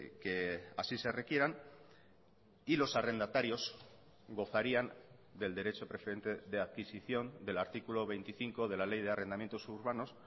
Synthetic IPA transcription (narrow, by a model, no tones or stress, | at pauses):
ke̞a̰sise̞re̞kje̞ɾan | ilo̞sare̞nd̪at̪aɾjo̞z | ɡo̞θaɾian | d̪e̞ld̪e̞ɾe̞t͡ʃo̞pɾe̞feɾe̞nt̪e̞ðe̞aðkisiθjo̞nd̪e̞laɾt̪ikulo̞βe̞jnt̪iθiŋko̞ð̞e̞lale̞jð̞e̞arʔe̞nd̪amjent̪o̞suɾβano̞s